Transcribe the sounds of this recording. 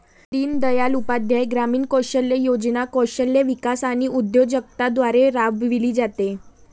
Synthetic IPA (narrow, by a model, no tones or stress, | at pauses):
t̪iːnd̪əjalupad̪ʱjajɡɾamiːnkɔɕəlːejod͡znakɔɕəlːeʋikasaɽ̃iud̪jod͡ʑək̚t̪ad̪ʋaɾeɾaʋbʱʋiliːd͡zat̪e